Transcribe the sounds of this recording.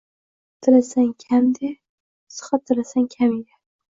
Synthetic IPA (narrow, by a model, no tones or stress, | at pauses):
t̪ʰɪlasaŋkʲʰamd̪e | sɨ̥χɑt̪ʰːɪlasaŋkʲʰameɡʲa